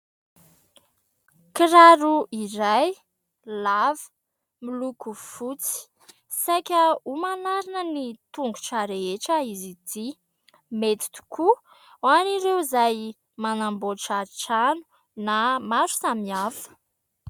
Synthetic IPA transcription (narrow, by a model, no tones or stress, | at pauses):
kiɾaɾuʔiɾaj | lavə̥ | milukufut͡si̥ | sajkʲəumanaɾinənit̪uŋɡu̥ʈ͡ʂaɾeeʈ͡ʂəizid̪i | met̪i̥t̪u̥kʰu | aniɾewzaj | manamboʈ͡ʂaʈ͡ʂanu̥ | namaɾu̥samiafə̥